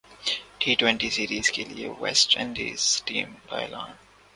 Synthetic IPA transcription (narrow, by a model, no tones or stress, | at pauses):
ʈʰiːʈwɛ̃ɳʈisiɾiːzkɪlewɛ̰sʈɛ̰̃nɖḭːzʈĩːmba̰ɪlã̰ːn